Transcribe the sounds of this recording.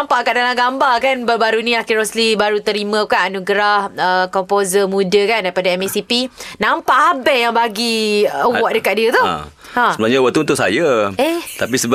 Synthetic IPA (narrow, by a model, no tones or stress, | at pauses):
nampaʔkaʔdalamɡambakanbabaɾunĩakiɾɔslibaɾut̪əɾimãkaʔanuɡɾahəkɔmpozəmũdəkandaipadaɛmesipinampaʔabɛʔjaŋbaɡiəwaʔdəkaʔ̚diət̪ṵ | hãəbənaɲəwaʔt̪uunt̪ʊʔ̚sa̰jaɛt̪ap̬isəb